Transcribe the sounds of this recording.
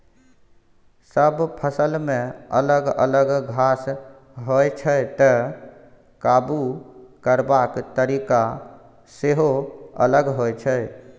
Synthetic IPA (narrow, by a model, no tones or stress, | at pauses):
səbpʰəsəlmẽə̰ləɡə̰ləɡɡʱas | ɦojt͡ʃʰəjt̪ə | kabukəɾbakt̪əɾika | seɦoə̰ləɡɦojt͡ʃʰəj